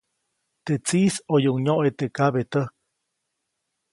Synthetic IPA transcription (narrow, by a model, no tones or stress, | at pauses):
t̪eʔt͡sisojuuŋɲoʔet̪ekaβet̪ək̚